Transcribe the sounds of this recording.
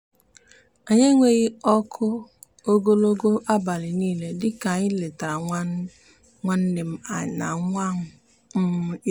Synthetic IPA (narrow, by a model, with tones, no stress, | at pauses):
a˨ɲe˦ŋʷe˦ɣi˦ɔ˦kʰʊ˦ | o˦ɡo˦lo˦ɡo˦ʔa˦ba˨lɪ˨niː˦le˨dɪ˦ka˨ɲɪ˦lɪ˨ta˨ɾa˨˦ | ŋʷa˦n̩˦nɪ˨m̩˦a̰˨na̰˨˦ŋʷa˦ŋʊ˨ | m̩˦